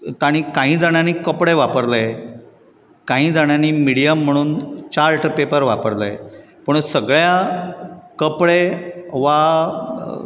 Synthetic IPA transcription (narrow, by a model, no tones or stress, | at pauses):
t̪aɽ̃iːkãɦĩːd͡zaɽ̃janiːkəpɽeʋapəɾle | kãɦĩːd͡zaɽ̃janiːmiɽijəm̤ːəɽ̃uːnt͡ɕaɾʈəpepəɾʋapəɾlḛj | pəɳsəɡɭja | kəpɭeʋa